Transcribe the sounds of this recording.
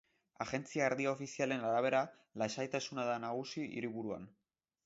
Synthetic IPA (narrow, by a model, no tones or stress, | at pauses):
aɣe̞nt͡siaeɾðiaofisiale̞naɾaβ̞e̞ɾa | lasajt̪asunaðanaɣ̞usiḭɾiβuɾua̰n